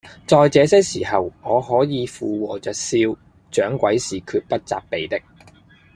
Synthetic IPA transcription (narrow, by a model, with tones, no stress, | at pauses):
t͡ʃɔː˨jt͡sɛː˨˧sɛː˥siː˨˩hɐ˨wŋɔː˨˧ɦɔː˨˥jiː˨˧fuː˨wɔː˨˩t͡ʃœː˨t̚siː˧w | t͡ʃœː˨˥ŋkʷɐ˨˥jsiː˨kʰyː˧t̚pɐ˥t̚t͡sa̰ː˧p̚pe˨jt̪ɪ˥k̚